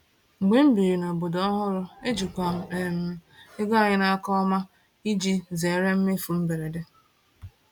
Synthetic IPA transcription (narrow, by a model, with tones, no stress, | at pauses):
ŋ͡m̩˨ɡ͡be˦m̩˦bi˨ɾi˨no˨bo˨dɔ˦ɦʊ˦ɾʊ˦e˦d͡ʒu˨kʷa˨m̩˨e˨m̩˨˦e˦ɡa˦a˨ɲɪ˦na˦a˦kɔ˦ma˦ | i˦d͡ʒi˦ze˨ɾe˦m̩˦me˦fu˨m̩˦be˨ɾe˨de˦